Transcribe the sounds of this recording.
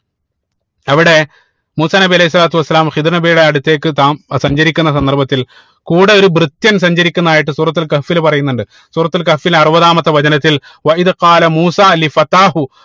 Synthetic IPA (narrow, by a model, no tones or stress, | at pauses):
ɐʋiɽe̞ | muːsaːnɐbiɐlɐhis̬ːɐlaːt̪uɐsːɐlaːmxiðirnɐbijuɽe̞ɐɽut̪ːe̞ːkːɨt̪aːmsɐɲd͡ʑɐɾikʲːunːɐsɐnd̪ɐrbɐt̪ːil | kuːɽeo̞ɾubrɨt̪jɐns̬ɐɲd͡ʑɐɾikʲːunːɐðaːjiʈːɨsuːrɐt̪ːulkɐfilpɐrɐjunːuɳɖɨ | suːrɐt̪ːulkɐfːilɐrɨbɐðaːmɐt̪ːɐʋɐd͡ʑɐnɐt̪ːil | wɐiðqɑːlɐmuːsaːlifɐt̪aːhu